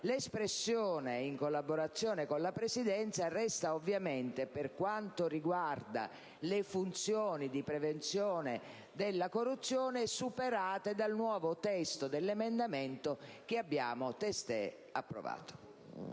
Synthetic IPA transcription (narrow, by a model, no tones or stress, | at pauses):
lespɾesːjɔːneiŋkolːaboɾat̪sːjɔːnekonlapɾesid̪ɛnt̪sarɛst̪aovːjament̪eperkwant̪oriɡward̪a̰ | lefunt̪sjɔːnid̪ipɾɛvent̪sjɔːne | d̪elːakorːut̪sːjɔːneɛsːupeɾaːt̪ed̪alnwɔːvot̪ɛst̪od̪elːemend̪ament̪ok̟ɪabːja̰ːmʊt̪ɛst̪ɛ̰ | apːɾo̰va̰ːt̪o̥